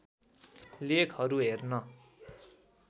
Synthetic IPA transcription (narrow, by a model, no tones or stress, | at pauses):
lekʰɦʌɾuɦernʌ